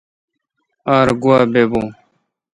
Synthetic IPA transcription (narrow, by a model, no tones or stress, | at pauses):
aːɾɡuaːbeːbõː